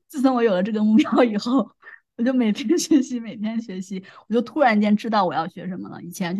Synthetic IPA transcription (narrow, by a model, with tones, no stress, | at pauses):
t͡sɹ̩˥˩t͡sʰə˧˥nwɔ˧˥jo˨˩ʊlə˦ʈ͡ʂɤ˥˩ɡə˩mu˥˩pjɑ˥ʊi˨˩xo˥˩ʊwɔ˨˩t͡ɕjo˥˩ʊme˨˩ɪt̪ʰjɛ˥nɕɥɛ˧˥ɕi˧˥me˨˩ɪt̪ʰjɛ˥nɕɥɛ˧˥ɕi˧˥wt͡ɕjo˥˧ʊt̪ʰu˥ɻa˧˥n˧t͡ɕjɛ˥˧nʈ͡ʂɻ̩˥t̪ɑ˥˩ʊwɔ˨˩jɑ˥˩ʊɕɥɛ̰˧˥ʂə˧˥nmə̰˧lə̰˩i˨˩t͡ɕʰjɛ˧˥n˥